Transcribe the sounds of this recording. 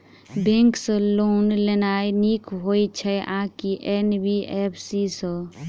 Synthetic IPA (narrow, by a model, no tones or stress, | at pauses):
bẽŋksə̃loːnlenajnikɦojt͡ʃʰɛʔãkiʔenbiʔepʰsisə̃